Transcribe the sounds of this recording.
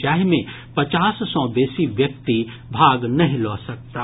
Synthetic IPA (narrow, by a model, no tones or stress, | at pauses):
d͡ʒaːɦmẽ | pɐt͡ʃaːssɔ̃ːbeːsiʋjɐk̚t̪i | bʱaːɡnɐɦĩlɔːsɐk̚t̪aː